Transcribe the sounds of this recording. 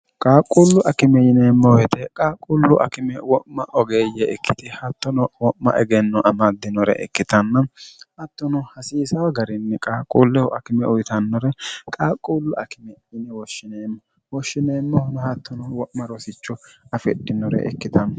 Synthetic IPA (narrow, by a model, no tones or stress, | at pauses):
kʼaːkʼːulːʊʔɐkɪmɛjɪneːmːɔwɛt̪ɛkʼaːkʼːulːʊʔɐ̰kɪmɛwɔmːɐʔɔɡejɛɛkːɪt̪ɪhɐt̪ːɔnɔwɔmːɐ̰ʔɛɡɛnːɔʔɐmad̪ːɪnɔɾɛ̰ʔɛ̰kːɪt̪ɐnːɐhɐt̪ːɔnɔhɐsiːsɐwɐɡɐɾɪnːɛkʼaːkʼuːlːɛhɔʔɐkɪmɛʊjt̪ɐnːɔɾɛkʼaːkʼːuːlːʊʔɐkɪmɛjɪnɛwɔʃːɪneːmːɔ | wɔʃːɪneːmːɔhnɔhɐt̪ːɔnɔwɔʔmːɐɾɔsɪt͡ʃːɔɐfɛɗːɪnːɔɾɛ̰ʔɛ̰kːɪt̪ɐn